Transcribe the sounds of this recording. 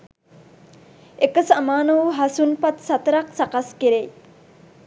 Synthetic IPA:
ekəsamaːnəʋuɦasunpat̪sat̪əɾaksakaskeɾej

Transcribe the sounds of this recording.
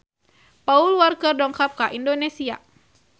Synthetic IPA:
paulwarkərdɔŋkap̚kaʔindonesia

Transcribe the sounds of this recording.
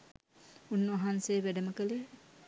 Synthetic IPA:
unːʋaɦansejːʋæɖəməkəle

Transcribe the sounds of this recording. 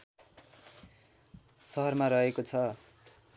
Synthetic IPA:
sʌɦʌrmaɾʌɦekot͡sʰʌ

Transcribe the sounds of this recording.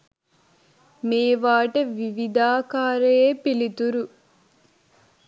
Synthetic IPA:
meːʋaːʈɐʋiʋid̪aːkaːɾejepilit̪uɾu

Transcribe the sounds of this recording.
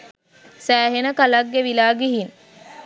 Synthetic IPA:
sæːɦenəkalaɡːeʋilaːɡeɦin

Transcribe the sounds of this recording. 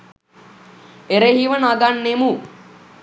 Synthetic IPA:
eɾeɦiʋənaɡanːemu

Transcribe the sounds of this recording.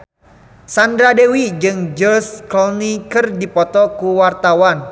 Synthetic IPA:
sandɾadewid͡ʒɨŋd͡ʒɔskɔnikɨrdipɔt̪ɔkuwart̪awan

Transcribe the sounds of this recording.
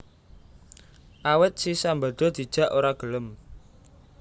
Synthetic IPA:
ʔawɪt̪̚sisamba̤d̪̥ɔ̤d̪̥i̤d̥ʒ̥ä̤ʔoɾaɡ̥ələm

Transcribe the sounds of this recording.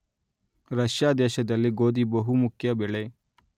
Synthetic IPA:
ɾɐʃjaːd̪eːʃɐd̪ɐlːiɡoːd̪ibɐɦumukʰjɐbɛɭe

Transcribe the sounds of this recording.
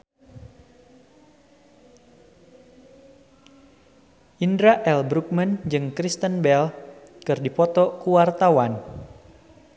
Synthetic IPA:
ʔindɾaʔɛlbɾuk̚mənd͡ʒɨŋkɾist̪ənbɛl | kɨrdipɔt̪ɔkuwart̪awan

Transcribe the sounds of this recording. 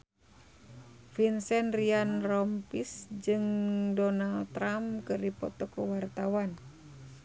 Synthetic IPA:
finsɛnrianrɔmpisd͡ʒɨŋdɔnalt̪ɾamkɨrdipɔ̰t̪ɔkəwart̪awan

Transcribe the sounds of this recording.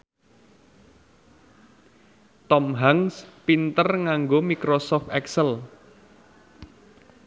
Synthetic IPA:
t̪ɔmɦaŋspint̪ərŋaŋɡomikɾosɔft̪ɛksəl

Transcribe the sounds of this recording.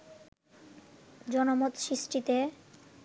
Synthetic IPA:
d͡ʑɔnomot̪ʃɾiʃʈit̪e

